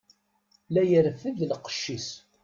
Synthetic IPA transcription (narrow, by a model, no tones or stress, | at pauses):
læjəɾfəðlqə̥ʃːis